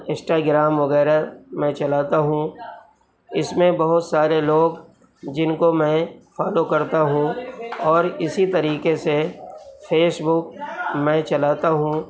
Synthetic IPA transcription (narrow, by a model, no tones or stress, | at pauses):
ɪ̃sʈaːɡɾaːmʋɐɣɛːɾamɛ̃t͡ʃɐlaːt̪aɦũ | ɪsmẽbɐɦʊt̪saːɾeloːɡ | d͡ʒɪnkomɛ̃faːlokɐɾt̪aɦũɔːɾɪsit̪ɐɾiːkesefʰeːsbʊk̚mɛ̃t͡ʃɐlaːt̪aɦũː